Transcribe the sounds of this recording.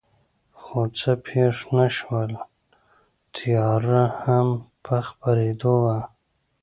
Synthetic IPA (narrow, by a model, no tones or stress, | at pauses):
xot͡səpʰeʂnaʃwəl | t̪ʰijɑɾahampʰəxpaɾed̪owa